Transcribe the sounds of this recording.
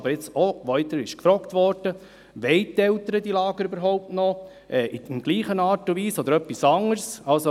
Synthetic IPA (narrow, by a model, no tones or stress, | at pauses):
bəɾjɪt͡sɔʋɔɪt̪əɾɪʃkfɾɔkt̪ʋɔɾd̥ə | ʋɛɪt̪ɛlt̪əɾəd̪ilɑːɡəɾybəɾɦɔʊp̚tnɔ | ʔɛːʔɪmɡ̥liːχənɑːɾtʊʋiːsɔd̪əɾœpːisɑŋəɾsɑlso